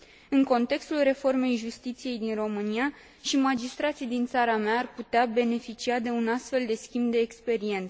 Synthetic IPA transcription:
ɨŋko̞nt̪e̞kst̪ulre̞fo̞rme̞jʒust̪it̪sije̞jd̪inro̞mɨnia | ʃimad͡ʒist̪ɾat̪sijd̪int̪saɾameaːrput̪eabe̞ne̞fit͡ʃiad̪e̞unast̪fe̞ld̪e̞skʲimbd̪e̞ːkspe̞ɾie̞nt̪s

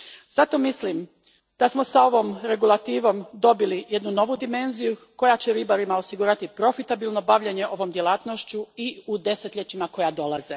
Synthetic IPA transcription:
z̥at̪o̞mislim | d̪̥asmo̞sao̞ʋo̞mɾe̞ɡulˠat̪iːʋo̞md̪o̞bilije̞d̪nuno̞ʋud̪ime̞nzijuko̞jat͡ɕeɾibaɾimao̞siɡuɾat̪ipɾo̞fit̪abilno̞baʋʎeɲe̞ʔo̞ʋo̞md̪je̞laːt̪noʃt͡ɕuiud̪e̞se̞t̪ʎʲet͡ɕimako̞jad̪o̞lˠaze

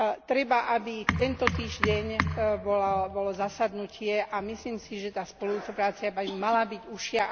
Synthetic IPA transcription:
t̪ɾɛbaʔabit̪ɛnt̪ɔt̪iːʒɟɛɲbɔlabɔlɔzasad̪nucɪɛʔamisliːmsiʒɛt̪aːspɔlujuːt͡sɔpɾaːt͡siabamalabiɟuʃɪa

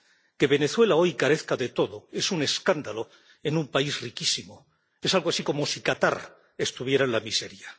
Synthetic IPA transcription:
ke̞βe̞ne̞θwe̞lao̞jkaɾe̞θkaðe̞t̪o̞ðoe̞sune̞skand̪alo̞ | e̞numpaizrikisimo | e̞salɣoasiko̞mo̞sikat̪aɾ | e̞st̪uβ̞je̞ɾaenlamiseɾja

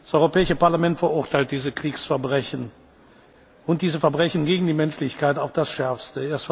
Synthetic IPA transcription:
d̥asʔɔʏʁopɛːɪʃəpaɐlamɛntfɛɐʔʊɐtʰaɪlt̚d̥iːzəkʁ̥iːksfɛɐbʁɛçn̩ | ʊnt̚d̥iːzəfɛɐbʁɛçn̩ɡeːɡŋ̩diːmɛnʃlɪçkʰaɪtaʊfd̥asʃɛɐfstəɐs

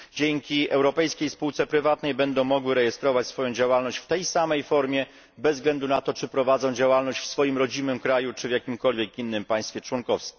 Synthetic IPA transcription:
d͡ʑɛŋkʲiʔɛwɾɔpɛjskʲejspuwt̪sɛpɾɘvat̪nɛjbɛnd̪ɔ̃w̃mɔɡwɘɾɛjɛst̪ɾɔvat͡ɕsfɔjɔ̃w̃d͡ʑawalnɔɕt͡ɕft̪ɛjsamɛjfɔɾmʲjɛ | bɛzɡlɛnd̪unat̪ɔt͡ʂɘpɾɔvad̪zɔ̃w̃d͡ʑawalnɔɕt͡ɕfsfɔjimɾɔd͡ʑimɘmkɾajut͡ʂɘvʲjakʲimkɔlvʲjɛkinːɘmpaj̃st̪fʲɛt͡ʂwɔnkɔfskʲ

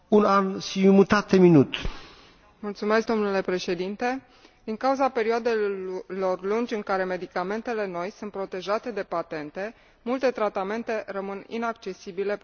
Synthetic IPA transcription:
unansimut̪at̪eminut̪ | mult̪sume̞sk̚d̪o̞mnule̞pɾe̞ʃe̞d̪int̪e̞ | d̪iŋkauzape̞ɾioad̪elo̞rlund͡ʒʲɨŋkaɾe̞me̞d̪ikame̞nt̪e̞le̞no̞jsunt̪̚pɾo̞t̪e̞ʒat̪e̞d̪e̞pat̪e̞nt̪e̞ | mult̪e̞t̪ɾat̪ame̞nt̪e̞rəmɨnḭnak̚t͡ʃe̞sibile̞

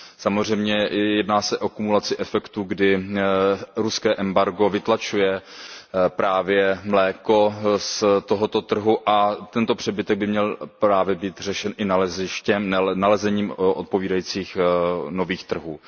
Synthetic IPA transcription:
samozr̝ɛjmɲɛjɛdnaːsɛʔo̞kumulat͡sɪʔɛfɛkt̪uːɡdɪ | ɾuskɛːʔɛmbaɾɡo̞vɪt̪lat͡ʃujɛ | pɾaːvjɛmlɛːko̞st̪oɦot̪o̞t̪r̩ɦuʔat̪ɛnt̪o̞pr̝̥ɛbɪt̪ɛɡ̚bɪmɲɛlpɾaːvjɛbiːt̪r̝ɛʃɛnʔɪnalɛzɪʃcɛnalɛzɛɲiːmʔot̪̚po̞viːdajiːt͡siːxno̞viːxt̪r̩ɦuː

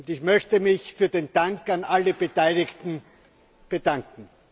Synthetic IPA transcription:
ntɪçmœçtəmɪçfyːɐdeːndaŋkanʔaləb̥ətaɪlɪktn̩ | b̥ədaŋkŋ̩

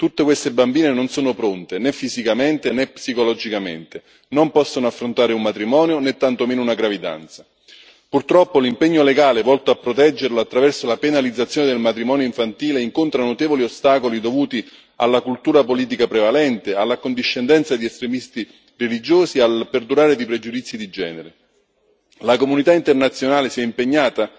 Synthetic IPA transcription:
t̪ut̪ːekwest̪ebambiːnenonsoːnopɾont̪enɛfːisikament̪enɛpsikolɔd͡ʒikamḛnt̪e | nompɔsːonoafːɾont̪aːɾeumːat̪ɾimɔːnjonet̪ːant̪omeːnounaɡɾavid̪a̰nt̪sḁ | purt̪ɾɔpːolimpɛɲːoleɡaːlevɔlt̪oapːɾot̪ɛd͡ʒːeɾloat̪ːɾavɛrsolapenalid̪zːat̪sːjoːned̪elmat̪ɾimɔːnjoiɱfant̪iːleiŋkont̪ɾanot̪eːvoliost̪aːkolid̪ovuːt̪i | a̰lːakult̪uːɾapoliːt̪̬ikapɾevalɛnt̪ealːakond̪iʃːend̪ɛnt̪sad̪iɛst̪ɾemist̪i | relid͡ʒoːsialperd̪uɾaːɾed̪ipɾed͡ʒud̪it̪sːid̪id͡ʒɛ̰ːneɾe | lakomunit̪aint̪ernat̪sːjonaːlesiɛimpeɲːaːt̪a

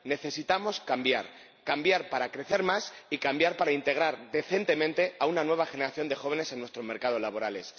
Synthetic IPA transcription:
ne̞θe̞sit̪amoskambja̰ɾ | kambjaɾpaɾakɾe̞θe̞ɾmasikambjaɾpaɾaint̪e̞ɣ̞ɾaɾðe̞θe̞nt̪e̞mẽ̞nt̪e̞aunanwe̞β̞axe̞ne̞ɾaθjo̞nd̪e̞xo̞β̞e̞ne̞se̞nːwest̪ɾo̞zme̞ɾkað̞o̞zlaβ̞o̞ɾale̞s

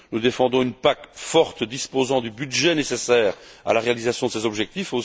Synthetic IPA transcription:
nud̪efɑ̃d̪ɔ̃ynpakfɔʁt̪d̪ispozɑ̃d̪ybyd̪ʒɛnesesɛːʁa̰laʁealizasjɔ̃d̪əsezɔbʒɛk̚t̪ifo

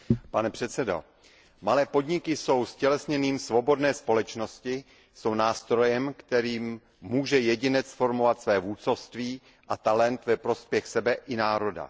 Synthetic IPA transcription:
panɛpr̥ɛt̪sɛdo̰ | malɛːpo̞dɲɪkɪso̞wscɛlɛsɲɛniːmsvo̞bo̞dnɛːspo̞lɛt͡ʃno̞scɪ | so̞wnaːst̪ɾo̞jɛmkt̪ɛɾiːmː | uːʒɛjɛɟɪnɛt͡sfo̞ɾmo̞vat̪svɛːvuːt͡sofst̪viː | ʔat̪alɛnt̪vɛpɾo̞spjɛxsɛbɛʔɪnaːɾo̞da̰

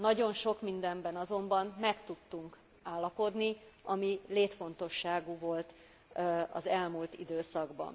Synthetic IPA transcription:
nɒɟo̞nʃo̞kmind̪ɛmbɛnɒzo̞mbɒnmɛkt̪ut̪ːuŋk | aːlːɒpo̞d̪niɒmileːt̪fo̞nt̪o̞ʃːaːɡuvo̞lt̪ | ɒ̰zɛlmult̪id̪øːsɒɡbɒ̰n

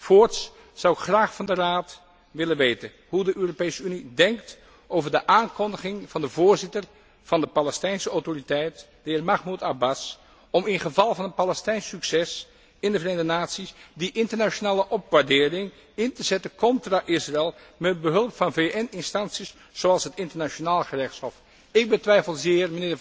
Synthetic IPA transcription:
foːɹts | sɑwɪkχraːχfɑndəraːt | ʋɪlənʋejtən | ɦudəʔøːropejsəynidɛŋkt | ʔowvəɹdəʔaːnkɔndəχɪŋv̥ɑndəvʊːɹzɪtər | v̥ɑndəpalɛstɛjnsəawtoritɛjt | d̥əɪːɹmɑχmutabas | ɔmɪnχəvɑlˠvɑnənpalɛstɛjnsyksɛs | ɪndəvrejndənaːtsisdiʔɪntəɹnat͡ʃonaːləʔɔpʋaɹdɪːrɪŋ | ɪntəzɛtəkɔntraʔɪsraɛlˠmɛt̚bəɦɵlˠəpfɑnveʔɛnɪnstɑnsis | z̥oɑlˠsɦətɪntəɹnat͡ʃonaːlˠəχərɛχtshɔf | ɪɡ̚bətʋɛjfəlˠzɪːɹmənɪːə

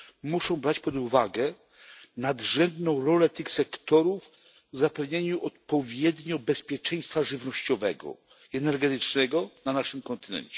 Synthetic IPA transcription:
muʂɔ̃w̃bɾat͡ɕpɔd̪uvaɡɛ | nad̪ʐɛnd̪nɔ̃w̃ɾɔlɛt̪ɘxsɛkt̪ɔɾuv | zapɛvɲeɲuʔɔt̪̚pɔvʲjɛd̪ɲɔbɛspʲjɛt͡ʂɛj̃st̪faʐɘvnɔɕt͡ɕɔvɛ̰ɡɔ̰ | iɛnɛɾɡɛt̪ɘt͡ʂnɛɡɔnanaʂɘmkɔnt̪ɘnɛ̰ɲt͡ɕɛ

